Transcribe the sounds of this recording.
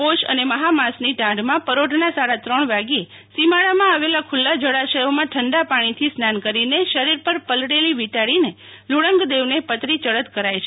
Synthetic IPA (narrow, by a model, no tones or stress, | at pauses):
poʃə̰neməɦamasniʈãɖmãpəɾoɖʱnasaɾat̪ɾəɳ̃ʋaɡie | simaɭamãaʋelakʰulːad͡ʒəɽaʃəjomãʈʰəɳɖapaɽ̃it̪ʰisnankəɾineʃəɾiɾpəɾpəlɽeliʋiʈaɽine | luɽəŋɡd̪eʋnepət̪ɾit͡ʃəɭət̪kəɾajt͡ʃʰe